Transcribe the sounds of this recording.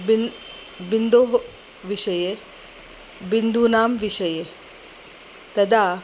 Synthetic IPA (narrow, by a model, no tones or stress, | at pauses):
bind̪oːɦ | ʋiʃɐje | bind̪ʱunaːmʋiʂɐje | t̪ɐd̪aː